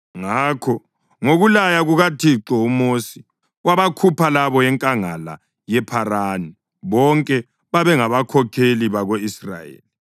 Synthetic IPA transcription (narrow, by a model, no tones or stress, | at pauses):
ŋaːkʰɔ | ŋoɣulajaɣuɣatʰiǁɔumosi | waβakʰupʰalaβɔjɛŋkʼaŋala̰ | jɛpʰarani | βɔŋkʼɛ | βaβɛŋaβakʰɔkʰeliβaɣoisra̰jḛːli